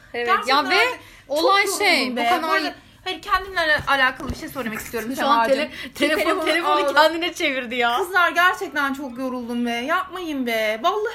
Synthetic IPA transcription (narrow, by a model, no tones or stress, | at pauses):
ɟænt͡ʃ̪vɛa | oloajoʃejmbokanaaɾa | hanicʰænd̪imʲaɛʔalʲaːkʰalˠɯbiʃejsø̞ɾemaci̥st̪ʰijo̞ɾumʃoanet̪ʰelʲeet̪ʰelʲefonuænd̪inɛt͡ʃʰe̞viɾd̪ijaːɯzlˠaɾɟæɾt͡ʃʰɛc̚t̪ʰænt͡ʃʰo̞kjo̞ɾulˠd̪umbɛjap̚majɯnbɛbalˠːa